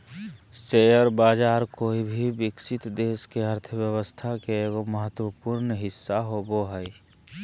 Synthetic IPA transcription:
seəɾbaːd͡ʒaːɾkoːibʱibɪksɪt̪d̪eːskeɦəɾt̪ʰəbjəwəst̪ʰakeeːɡoməɦət̪wəpʊɾnɦɪsːaɦoboɦɛi

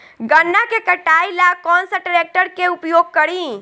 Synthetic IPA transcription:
ɡənːakekəʈailakɔnsəʈəɾek̚ʈəɾkeupjoɡ̚kəɾĩ

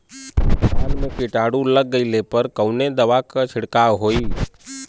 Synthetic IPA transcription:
kaːlmẽkɪʈaːɽũləɡːəilepəɾkəʊned̪əʋakət͡ʃʰɪɽkaːʋɦoːiː

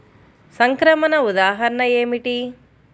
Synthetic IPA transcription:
sɐŋkɾɐmɐnɐud̪aːɦɐɾɐnɐeːmiʈi

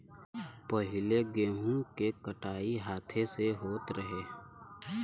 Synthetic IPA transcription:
pɐɦɪleɡẽːɦũkekəʈaːiɦaːt̪ʰeseɦoːt̪ɾəɦeː

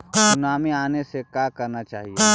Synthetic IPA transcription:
sʊnaːmiaːnesekakɐɾnat͡ʃaːɦie

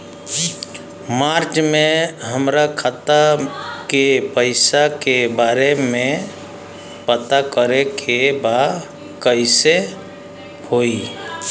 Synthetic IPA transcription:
maːɾt͡ʃmẽɦəmɾakʰat̪akepəɪsakebaːɾemẽ | pət̪akəɾekʰebaː | kəɪse | hoːi

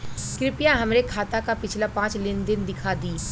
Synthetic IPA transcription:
kɾɪpijãɦɐmnekʰaːt̪akapɪt͡ʃʰlapãːt͡ʃlɪnd̪ɪnd̪ɪkʰad̪iː

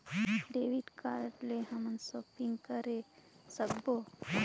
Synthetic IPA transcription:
ɖeːʋiʈkaːɾʈleɦəmənsoːpiŋɡkəɾesəkbo

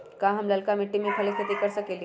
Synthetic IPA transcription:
kãɦəmləlkamiʈːimẽkʰəleskʰət̪ikəɾsəkelĩ

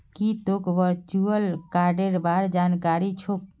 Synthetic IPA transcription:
kit̪okʋəɾt͡ʃuəlkaɾɖeɾbaɾd͡ʒankaɾit͡ʃʰo

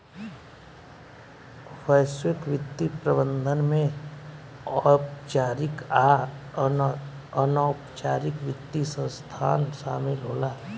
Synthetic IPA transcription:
fʰəjswɪkʋɪt̪ːipɾəbə̃nd̪ʱənmẽ | ɔpt͡ʃaːɾɪk | ənɔːpt͡ʃaːɾɪkʋɪt̪ːisə̃st̪ʰaːnʃaːmɪlɦoːlaː

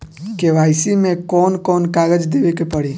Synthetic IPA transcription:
keʋaːɪsimẽkɔːnkɔːnkaɡəd͡ʒd̪eʋekepəɽi

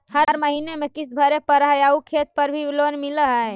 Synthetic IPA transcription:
həɾɾməɦinemekisbʱəɾepəɾɦajaukʰet̪̚pəɾbʱilonmiləɦəj

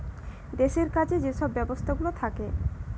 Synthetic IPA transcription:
d̪eʃeɾkat͡ɕʰed͡ʑeʃɔbːɛbost̪ʰaɡulot̪ʰake

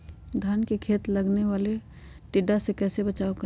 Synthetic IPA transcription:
d̪ʱaːnkekʰeːt̪ləɡneʋaːle | ʈɪɖasekɛːsebət͡ʃaːokə

